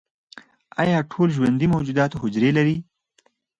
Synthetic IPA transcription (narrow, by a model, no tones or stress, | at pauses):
ɑ̰jɑʈʰolʒwand̪imowd͡ʒud̪ɑt̪oɦʊd͡ʒɾelaɾi